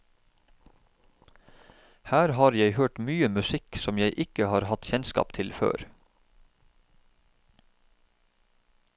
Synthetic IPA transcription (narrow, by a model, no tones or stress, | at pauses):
hæːɾhɑːɾjæɪhøːʈmyːəmʉsɪksɔmjæɪʔɪkəhɑːɾhɑt̪çɛnskɑ̰ːpt̪ʰɪlfø̰ːɾ